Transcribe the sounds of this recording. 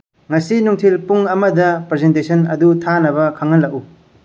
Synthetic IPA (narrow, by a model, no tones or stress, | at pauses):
ŋɐsinuŋtʰilpuŋɐmɐdɐpɾezentesʰɐnɐ̰dutʰanɐbɐkʰaŋːɐlːɐku